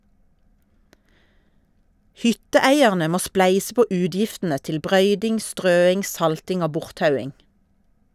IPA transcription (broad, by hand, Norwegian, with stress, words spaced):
ˈhʏtəˌæɪæʁnə ˈmoː ˈsplæɪsə ˈpoː ˈʉːdjɪftn̩ə ˈtɪl ˈbʁœʏdɪŋ ˈstʁøːɪŋ ˈsɑltɪŋ ˈoː ˈbʊʁtˌtɑʉɪŋ